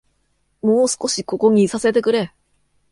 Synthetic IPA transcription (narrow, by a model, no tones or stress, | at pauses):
mo̞ːsɨ̥ko̞ɕiko̞ko̞ɲ̟isase̞t̪e̞kɯ̟ɾe̞